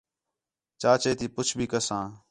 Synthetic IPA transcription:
t͡ʃaːt͡ʃeːt̪iːpʊt͡ʃʰbʱiːkəsãː

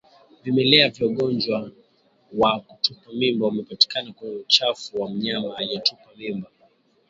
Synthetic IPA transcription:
vimɛlɛaviɔɠɔnd͡ʒwa | waku̥tupamimbaumɛpati̥kanakuɲɛut͡ʃafuwam̩ɲamaːiɔtupamimba

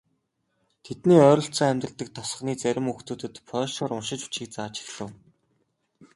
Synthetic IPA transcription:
t̪ʰet̪niːœːɾɞ̆ɬt͡sɔ̆ŋæmʲt̪ə̆t̪ə̆k̚t̪ʰɔ̥s̆χniːt͡sæɾʲɪ̆muxt̪uːt̪ɘ̆t̪pʰœːʃɔːɾʊnʃɪ̆t͡ɕu̥t͡ɕiːk̚t͡saːt͡ɕɪ̥̆xɮə̆w

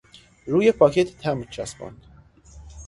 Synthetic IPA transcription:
ɾuːjepʰɒːcʰet̪ʰt̪ʰæmt͡ʃʰæsbɔ̰nd̪̥

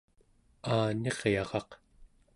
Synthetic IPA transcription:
aːne̞ʁjɑʁɑq

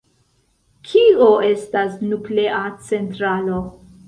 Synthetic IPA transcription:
kʰioe̞stasnupleʔat͡se̞ntɾalo̞

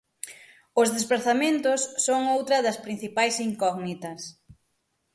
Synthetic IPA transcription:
ʊzðespɾaθamẽnt̪ʊsːoŋowt̪ɾɐðɐspɾin̟θipajsiŋkɔɣnit̪ɐs

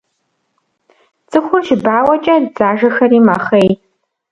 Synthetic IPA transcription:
d͡zʼɨχʷʊrʒbaːwɐt͡ʃʼɐdd͡zaːʒɐxɐrimɐχej

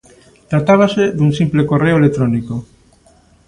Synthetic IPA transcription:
t̪ɾat̪aβ̞aseðunsimplekoreoelet̪ɾoniko

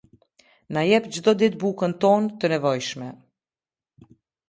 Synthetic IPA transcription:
najɛpd͡ʒd̪ɔd̪it̪̚bukənt̪ɔnt̪ənɛvɔjʃmɛ

